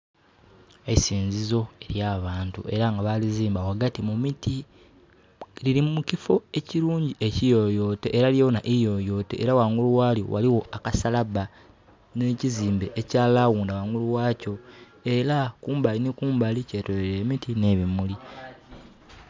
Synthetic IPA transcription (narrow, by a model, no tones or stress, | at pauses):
esiːnzizo̞e̞ɾjaːβaːntṵʔe̞ɾaŋɡaβaliziːmbawaɡatimumiti | liɾimumucifo̞e̞ciɾuːɲɟiʔe̞cijo̞jo̞ːte̞ʔeɾaljawonaʔijo̞jo̞ːte̞̰ʔːɾawaŋɡuluwaːljo̰wa̰liwo̞akasalaβa | neːciziːmbe̞ʔːcaːlawuːndawaŋuluwaːco̞ | e̞ɾakuːmbalinekuːmbalice̞toleɾe̞ːmitʰine̞ːβimuli